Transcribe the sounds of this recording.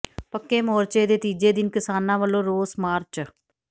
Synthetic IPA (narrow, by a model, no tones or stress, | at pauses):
pəkːeːmoːɾt͡ʃeːd̪eːt̪iːd͡ʒeːd̪ɪnkɪsaːnãːʋəlːõːɾoːsmaːɾt͡ʃ